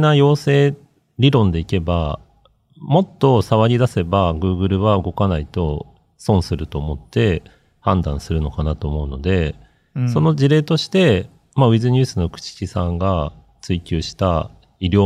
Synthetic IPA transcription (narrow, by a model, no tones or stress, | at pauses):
najo̞ːse̞ː | ɾʲiɾõ̞nd̪e̞ike̞ba | mo̞t̪ːo̞saβaɾʲid̪ase̞baɡɯ̟ːɡɯ̟ɾɯ̟βaɯ̟ɡo̞kanait̪o̞ | sõ̞ɰ̃sɨɾɯ̟t̪o̞ːmo̞t̪ːe̞ | hãnd̪ãɰ̃sɨɾɯ̟no̞kanat̪o̞ːmo̞ɯ̟no̞d̪e̞ | so̞no̞ʑiɾe̞ːt̪o̞ɕi̥t̪e̞ | maɯ̟izɨɲ̟ɨːsɨno̞kɯ̟̥t͡ɕi̥ɕisãŋɡa | t͡sɨikʲɨːɕi̥t̪a | iɾʲo̞ː